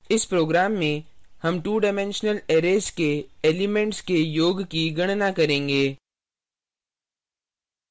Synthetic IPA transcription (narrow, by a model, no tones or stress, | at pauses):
ɪspɾoːɡɾaːmːẽ | hɐmʈuːɖamɛ̃ːnʃnəleːɾeːskeeːlimẽɳʈskejoːɡkiɡɐɽ̃nakɐɾẽːŋɡeː